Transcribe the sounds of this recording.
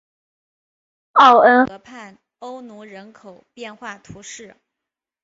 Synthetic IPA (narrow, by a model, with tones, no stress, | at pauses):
ɑ˥˩ʊə˥nɤ˧˥pʰa˥˩n | o˥ʊnu˧˥ɻə˧˥nkʰo˨˩ʊpjɛ˥˧nxwa˥˩t̪ʰu˧˥ʂɻ̩˥˩